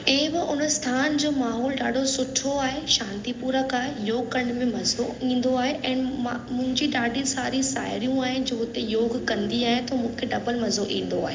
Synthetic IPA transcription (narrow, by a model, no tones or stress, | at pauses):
eɦbɪʊnəst̪ʰaːnd͡ʑoːmaːɦɔːlɖaːɖʱosʊʈʰoaːɦeʃãːnt̪ipuːɾəkaːɦejoːɡkɐɳɖmẽmɐzoĩːn̆d̪oaːɦeʔɛ̃ːnamʊ̃ɦɪ̃ɲd͡ʑiɗaːɖʱĩsaːɾĩsa̰ːjɪɾijũaːɦɪnd͡ʑoːɦʊt̪ejoːɡkɐ̃nd̪iaːɦɪet̪ʰomũːkʰeɖɐbəlmɐzoʔĩːn̆d̪o̰aːɦe